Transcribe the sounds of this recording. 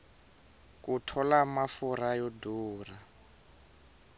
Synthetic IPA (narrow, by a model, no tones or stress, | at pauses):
kutʰɔlamafuɾajɔduːra